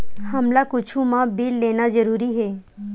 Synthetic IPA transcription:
hɐmlakʊt͡ʃʰũmãbiːlːeːnazɐɾuːɾiɦɛː

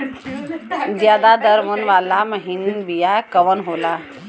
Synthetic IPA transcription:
d̪jad̪ad̪əɾmənʋalaməɦinbijajkəʋənɦola

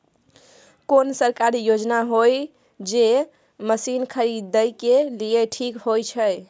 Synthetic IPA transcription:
konsəɾkaɾijod͡ʒnaɦoj | d͡ʒe | məsinkʰəɾid̪ːəjkelieʈʰikɦojt͡ʃʰəj

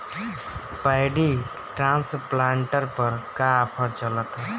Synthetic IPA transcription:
pajɖi | ʈɾãnsplaɳʈəɾpəɾkaːpʰəɾt͡ʃələt̪

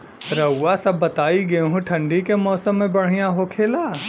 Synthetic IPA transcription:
ɾɐwːasɐbːɐt̪aːiɡɐɦũʈʰɐ̃ɳɖikemɔːsəmːẽbɐɽ̤ijaɦokʰeːlaː

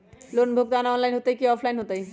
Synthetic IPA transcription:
lonbʱoɡ̚d̪anaɔnlajnɦot̪ejkiɔpʰlajnɦot̪aj

